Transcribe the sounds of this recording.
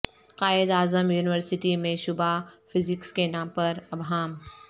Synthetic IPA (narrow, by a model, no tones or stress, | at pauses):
qaːɪd̪aːzəmjuːnɪʋəɾsɪʈimẽʃʊbafɪzɪkskenãːmpɐɾɐbɦaːm